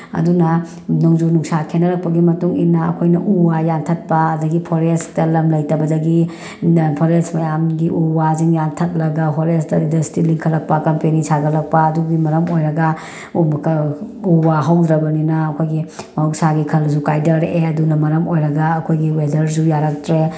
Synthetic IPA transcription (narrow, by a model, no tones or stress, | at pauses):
ɐ̰dunɐ | noŋzunuŋsakʰenːɐɾɐk̚pɐɡimɐtuŋinːɐɐkʰojnɐʔuwajantʰɐt̚pɐɐdɐɡipʰoɾestɐlɐmlɐjtɐbɐdɐɡi | pʰoɾesmɐjamɡiʔuwaziŋjantʰɐt̚lɐɡɐɦoɾestɐindɐstiliŋkʰɐlɐk̚pɐkɐmpenisʰaɡɐlɐk̚pɐɐduɡimɐɾɐmojɾɐɡɐ | kuwaɦɐwdɾɐbɐninɐːkʰojɡimɐuwk̚saɡikʰɐlzukajdɐɾʔeɐdunɐmɐɾɐmojɾɐɡɐɐkʰojɡiwedɐɾsujaɾɐk̚tɾe